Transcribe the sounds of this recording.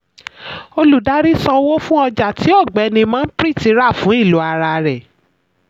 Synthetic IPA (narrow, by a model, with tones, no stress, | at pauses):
o˧lu˨da˨˦ɾi˦sã˧wo˦fũ˦ɔ˧d͡ʒa˨tʰi˨˦ɔ˦˨ɡ͡bɛ˨˦nĩ˧mãː˦n̩˦pɾi˦˨ti˧˦ɾa˦˨fũ˨˦i˦˨lu˨˦a˧ɾa˧ɾɛ˨